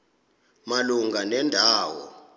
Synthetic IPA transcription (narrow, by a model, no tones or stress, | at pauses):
maluŋɡʱanɛndʱaːwɔ̰